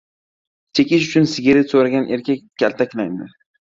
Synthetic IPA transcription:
t͡ʃ̪ʰekʲɪʃʊt͡ʃʰʊnsɪɡʲɪɾɪsoɾaɡʲanʔe̞ɾkʲʰak̚ʲːa̰lt̪ʰakʲlajd̪ɪ

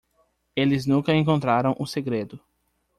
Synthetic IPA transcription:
elɪznũkɐẽkõnt̪ɾaɾɐ̃w̃ʔʊseɡɾed̪ʊ

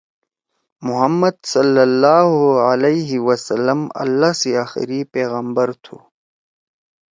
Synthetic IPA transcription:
mʊɦɐmːɐd̪sɐlːɐlːaːɦoalɐiɦiwɐsɐlːəmɐ̰lːaːseaːxɪ̰ɾipeːɣəmbɐɾt̪ʰṵː

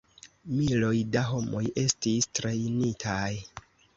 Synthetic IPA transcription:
milo̞jdaɦo̞mo̞je̞stistɾe̞jnitʰaj

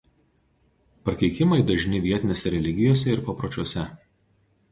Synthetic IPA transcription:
pɐɾkʲɛɪkʲɪmɐɪd̪ɐʒʲnʲɪʋʲiɛt̪ʲɪnʲeːsʲɛɾʲɛlʲɪɡʲɪjoːsʲɛɪɾpɐpɾɐt͡ʃʲuɔsʲɛ

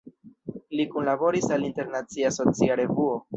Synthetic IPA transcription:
likunlabo̞ɾisalinte̞ɾnat͡siaso̞t͡siaɾe̞vuo̞

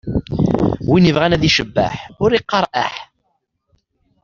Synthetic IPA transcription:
winəvʁænæðiʃəbːə̰ħʊɾiqːɑɾˤʔa̰ħ

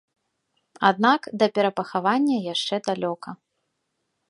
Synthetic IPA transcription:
ad̪nakd̪ɐpʲɛɾɐpɐxavanʲːɐjaʂt͡ʂɛd̪alʲɔkɐ

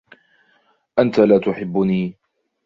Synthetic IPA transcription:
ʔant̪alaːt̪ʊħɪbːʊniː

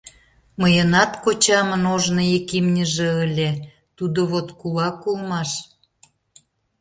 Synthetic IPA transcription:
məjənɑt̪kot͡ɕɑmənoʒnəjekimnʲəʒĕəlʲe | t̪ud̪oβot̪kulɑkulmɑʃ

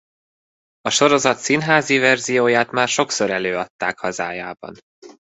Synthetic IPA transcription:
ɒʃo̞ɾo̞zɒt̪sinɦaːzivɛrzijoːjaːt̪maːrʃo̞kso̞ɾɛløːɒt̪ːaːkhɒzaːjaːbɒ̰n

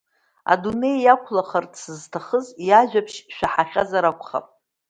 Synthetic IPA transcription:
a̰dune̞jakʷʰlaχardsɨztʰaχəzjaʒᶣapʰʃʃʷᶣaħaχʲazaɾakʷʰʼχa̰pʼ

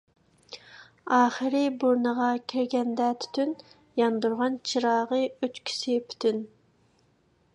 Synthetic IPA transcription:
ɑːχəɾɨbuɾnəʁɑkʲʰiɾɡʲɛnd̪ɛt̪ʰy̥t̪ʰyn | jɑnd̪uɾʁɑnt͡ʃʰiɾɑːʁəøt͡ʃkʲʰi̥sɪpʰy̥t̪ʰyn

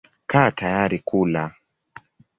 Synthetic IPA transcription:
kʰaːtajaɾikula

